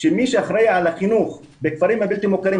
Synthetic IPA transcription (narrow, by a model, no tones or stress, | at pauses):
ʃemiʃeaχɾejaalaχinuχ | bekfaɾimhabilt̪imokaɾim